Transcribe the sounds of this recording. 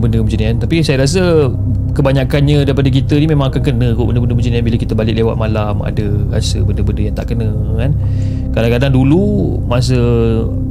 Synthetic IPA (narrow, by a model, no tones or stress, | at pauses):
bəndəbəd͡ʒəniant̪apisajaɾas̬ə | kəbaɲakanɲadaɾipadək̬it̪ənimẽmãŋakankənə̃koʔbəndəbəndəbəd͡ʒənianbiləkit̪əbalɪk̚lewat̪̚malama̰dəɾa̰səbəndəbəndəjaŋt̪aʔkənə̃ | kan | kalakadaŋdulu | mas̬ə